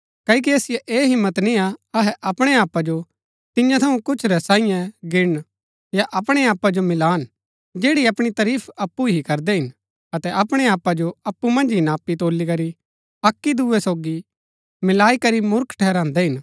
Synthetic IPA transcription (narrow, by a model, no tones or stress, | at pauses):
kɐik̬iɐːsɪjɛʔeːɦɪmːət̪niaɐɦɛʔɐpɽ̃eaːpːad͡ʒo | t̪ɪjãt̪ʰɐũkʊt͡ʃʰɾɛsãːɪ̃jãɡɪɽ | jaʔɐpɽ̃eaːpːad͡ʒomɪlaːn | d͡ʒeːɽiɐpɽ̃it̪ɐɾiːpʰɐpːuɦikɐɾd̪ɛɦɪn | ɐt̪ɛʔɐpɽ̃eaːpːad͡ʒoɐpːumɐ̃nd͡ʒɦinaːpːit̪oːlikɐɾi | ɐkːid̪uːɛsoːɡi | mɪlaːikɐɾimʊɾkʰʈʰɛːɾãːnd̪ɛɦɪn